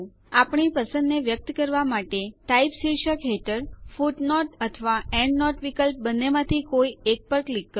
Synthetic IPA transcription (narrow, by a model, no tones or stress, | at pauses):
apɳipəsə̃nd̪neʋjək̚t̪kəɾʋamaʈeʈaipsiɾʃəkɦeʈəɾfuʈnɔʈət̪ʰəʋaɛ̃ɳɖnɔʈʋikəlp̚bənːemãt̪ʰikoiek̚pəɾklikːə